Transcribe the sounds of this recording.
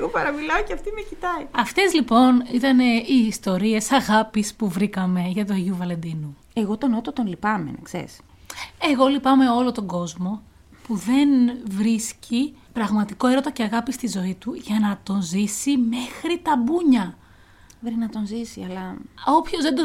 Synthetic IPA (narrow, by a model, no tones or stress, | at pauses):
ɣopɐɾɐmilɐoceɐft̪imecit̪ɐiɐft̪e̞zlipo̞nit̪ɐne̞iːst̪o̞ɾie̞sɐɣɐpispuvɾikɐme̞ʝɐt̪̬uɐʝuvɐle̞nd̪inu | eɣot̪o̞not̪ot̪onlipɐmḛnḛksḛɾḭs | e̞ɣo̞lipɐme̞o̞lo̞t̪o̞ŋɡo̞zmo̞ | puðe̞nvɾisci | pɾɐɣmɐt̪ikoe̞ɾot̪oce̞ɐɣɐpist̪izo̞it̪uʝɐnɐt̪o̞nzisime̞xɾit̪ɐbuɲɐ | bɾinɐt̪o̞nzisiɐlɐo̞pço̞zðend̪o